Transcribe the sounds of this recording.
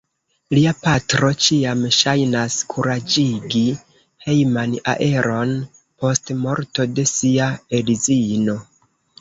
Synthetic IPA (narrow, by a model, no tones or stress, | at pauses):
liapatɾo̞t͡ʃiamʃajnaskʰuɾad͡ʒiɡi | he̞jmana̰ʔe̞ɾo̞n | po̞stmo̞ɾto̞de̞siaelizino̞